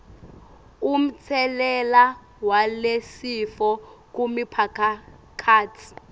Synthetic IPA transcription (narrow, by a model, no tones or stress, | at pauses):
um̩t͡sʰɛlɛla | walesifɔk̬umipʰakʰa | kʰaːt͡sʰi̥